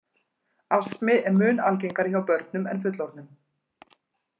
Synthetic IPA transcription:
asmɪɛɾmʏːnalc̬ejŋkaɾɪçawpœɾt̪̚nʏmɛnf̬ʏt̪lɔɾt̪nʏm

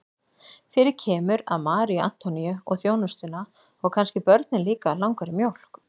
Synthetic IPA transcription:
fɪɾɪɾcʰɛːmʏɾa̰ðmaːɾia̰n̥t̪ɔnijʏɔɣθjownʏst̪ʏna | ɔɣkʰanscɪpœɾt̪nɪnliːkalawŋkaɾɪmjowl̥k

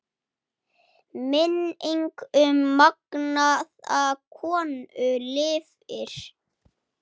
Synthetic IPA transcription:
mɪniŋkʏmːaknaðaðkʰɔːnʏlɪːv | ɪɾ̥

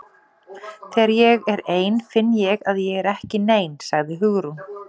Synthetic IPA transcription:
θɛaɾjɛɣɛɾeːjnfɪnːjɛɣaðjɛɣɛɾɛhcɪneːjnsaɣðɪɦʏɣɾu

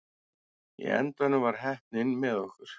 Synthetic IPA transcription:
jɛ̰ɛ̰nt̪anʏvaɾ̥ɦɛhp̚nɪnmɛðɔhkʏɾ̥

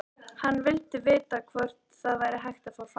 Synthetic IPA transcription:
hanːvɪlt̪ɪvɪːt̪akʰvœr̥t̪θaðvaːjɾɪɦajxt̪afawfa

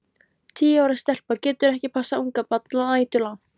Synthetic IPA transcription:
t̪ʰiːaːwɾast̪ɛl̥pacɛːt̪ʏɾɛhcɪpʰasːaʔuŋkapat̪laaːjt̪ʏla

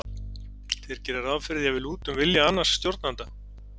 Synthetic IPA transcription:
θɛɾ̥cɛːɾaɾavfɪɾɪðjavɪluːt̪ʏmvɪljaanːasːt̪jowɾt̪nant̪a

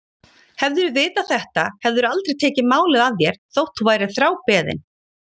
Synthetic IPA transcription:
hɛvðʏɾʏvɪːt̪aθɛht̪ahɛvðʏɾʏalt̪ɾejt̪ʰɛːcɪmaːwlɪðaðjɛɾ̥θowht̪uvaːjɾɪ̥θɾaːwpɛːðɪ̰n

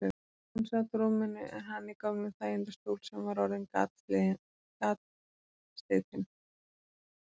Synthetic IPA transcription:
ansat̪ɾumɪnːɪʔɛnɦanːikɔmnʏmθaːjɪnt̪ast̪owlsɛmvaɾawɾɪnkat̪ | kat̪ | st̪eːt̪ɪn

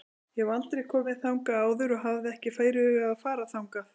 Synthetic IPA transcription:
jɛvalt̪ɾɛjɣkʰɔːmɛðθawŋkaaːwðʏɾɔɦavðɪɛhcɪfaːjɾɪʏːɣaðfaːɾaθawŋka

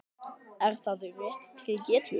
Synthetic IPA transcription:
ɛɾ̥θaðʏvɛht̪t̪ʰɾɪːcɛːt̪lɪ

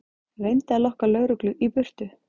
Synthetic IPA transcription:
vejnt̪alɔhkalœɣɾʏklʏʔipʏr̥t̪ʏ

